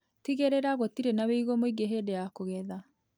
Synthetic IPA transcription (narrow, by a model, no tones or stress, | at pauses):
tiɣeɾeɾaɣotiɾenaweiɣomoiɡeɦedejakoɣɛða